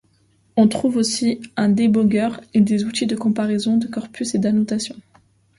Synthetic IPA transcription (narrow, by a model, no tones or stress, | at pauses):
ɔ̃t̪χuvosiɛ̃d̪ebɔɡʲœʁed̪ezut̪id̪əkɔ̃paʁezɔ̃d̪əkɔʁpʰysed̪anot̪asjɔ̃